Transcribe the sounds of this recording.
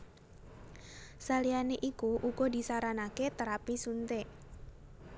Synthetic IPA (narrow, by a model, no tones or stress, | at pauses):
salianeʔikuʔuɡɔd̪i̤saɾanaket̪əɾapisunt̪e